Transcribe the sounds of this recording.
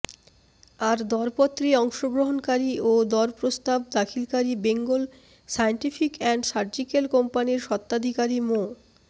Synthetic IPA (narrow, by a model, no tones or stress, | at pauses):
aɾd̪ɔɾpot̪ːɾiɔŋʃoɡɾoɦonkaɾiod̪ɔɾpɾost̪abd̪akʰilkaɾibeŋɡol | sajeɳʈifʰikɛɳɖsaɾd͡ʑikelkɔmpaniɾʃɔt̪ːad̪ʱikaɾimo